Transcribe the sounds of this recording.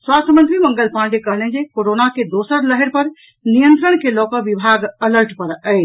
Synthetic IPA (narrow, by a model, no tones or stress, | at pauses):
swast̪ʰəmənt̪ɾiməŋɡəlpãnd͡ʒekəɦlɛnd͡ʒekoɾonaked̪osəɾləɦɛɾpəɾ | nijənt̪ɾəɳkelokəʋibʱaɡələɾʈpəɾəɪt͡ʃ